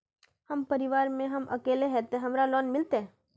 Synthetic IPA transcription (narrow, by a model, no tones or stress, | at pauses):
həmpəɾiʋaːɾmẽɦəmʔə̰keːleɦɛt̪eɦɐmɾalɔːnmɪlt̪e